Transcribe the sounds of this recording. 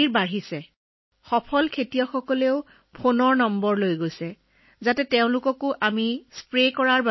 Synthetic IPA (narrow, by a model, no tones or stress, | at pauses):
iɹbaɦisɛ | xɔpʰɔlkʰetijɔxɔkɔleʊ | pʰonɔɹnɔmbɔɹlojɡojsɛ | zatɛteʊ̃lʊkɔkʊʔamispɹekɔɹaɹb